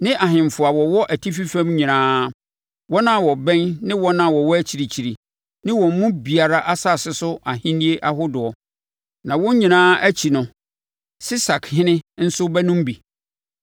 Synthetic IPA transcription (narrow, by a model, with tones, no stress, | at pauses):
nɪ̃˦ʔa˨ɦɪ̃˨m˨fʊ˨a˨wɔ˨wɔ˦ʔæ˨tʰi˦fi˦fæ̃˦mɲĩ˨nãː˦ | wɔ˦nã˦˨wɔ˨bɛ̃˦nnɪ̃˦wɔ˦nã˦˨wɔ˨wɔ˦t͡ɕʰi˨ɾi˨t͡ɕʰi˨ɾi˨ | nɪ̃˦wɔ̃˨m˦mʊ̃˦bi˨a˨ɾa˦ʔa˦sa˦˨sɪ˦sʊ˦ʔa˨hɪ̃˦nĩ˦e˦ʔa˦ɦʊ˦dʊ˨ɔ˨ | nã˨wɔ̃˦ɲĩ˨nãː˦æ˦t͡ɕʰi˨nʊ̃˨ | sɪ˦sa˨kʰhɪ̃˦nɪ̃˦n̩˦sʊ˦bɛ˦nʊ̃˦m˦bi˨